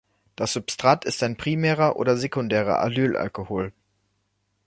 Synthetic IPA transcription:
d̥asz̥ʊpstʁ̥atʰɪstaɪnpʁ̥imɛːʁɐʔo̰ːdɐzekʊndɛːʁ̞ɐ̰ʔa̰lyːlʔa̰lkohoːl

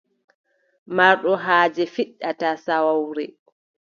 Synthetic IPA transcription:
maɾɗɔɦaːd͡ʒɛfiɗːatasawawɾɛ

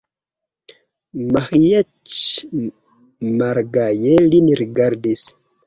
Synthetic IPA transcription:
maxijat͡ʃ | maɾɡajeliniɾɡaɾdis

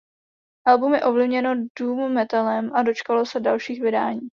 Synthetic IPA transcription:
ʔɛlbumjɛʔo̞vlɪvɲɛno̞duːmːɛt̪alɛmʔado̞t͡ʃkalo̞sɛdalʃiːxvɪdaːɲiː

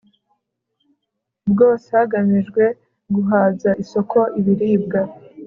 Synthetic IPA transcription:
bɡo̞ːsehaɡamiʒɡwe̞ | ɡuɦaːzaʔiso̞kʰo̞ʔiβiɾiːb̚ɡa

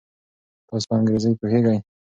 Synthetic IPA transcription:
t̪ɑs̬pɑŋɡɾezəjpoheɡaj

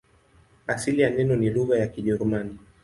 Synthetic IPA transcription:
asilijanɛnɔniluɣajakiʄɛɾumani

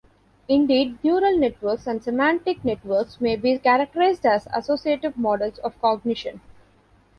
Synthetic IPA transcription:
ɪ̃ɳɖiːɖnjuːɾəlneʈʋəɾksæ̃ɳɖsemæ̃ɳʈɪkneʈʋəɾksmeːbiːkæɾɐk̚ʈəɾaɪzɖæzɐ̰soːsieːʈɪʋmɔːɖəlsɔːʋkɔɡnɪʃə̃n

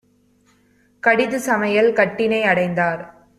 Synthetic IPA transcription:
kɐɽɪðɯsɐmɐjɐlkɐʈːɪnɐɪɐɽɐɪnd̪aːɾ

